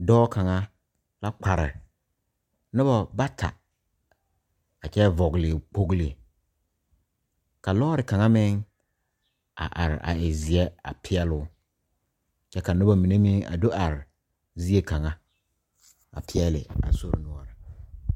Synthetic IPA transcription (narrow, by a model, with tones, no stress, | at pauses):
dɔː˦ka˨ŋa˦ | la˦k͡pa˨ɾɪ̰˨ | nʊ˦bɔ˨ba˦tʰa̰˨ | a˨t͡ʃɛ˦vɔ˨ɣlɪ˨k͡po˦ɡlɪ˨ | ka˨lɔː˦ɾɪ˨ka˨ŋa˦mɪ˦ŋ | a̰˨ʔa˨ɾɪ̰˨ʔa̰˨ɪ˨zɪ˨ɛ˦a̰˨pʰɪ˦ɛ˦lʊː˦ | t͡ʃɛ˦ka˨nʊ˦ba˨mi˨ne˦mi˦ŋa̰˨do˦ʔa˨ɾɪ˨ | zi˦e˦ka˨ŋa˦ | a̰˨pʰɪ˦ɛ˦lɪ̰˨a̰˨so˦ɾ̰nʊ˦ɔ˨ɾɪ˨